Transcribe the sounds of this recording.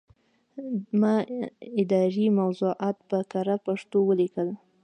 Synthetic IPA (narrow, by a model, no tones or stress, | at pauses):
mɑɪd̪ɑɾimawzuʔɑt̪pəkaɾapaʂt̪owəlikəl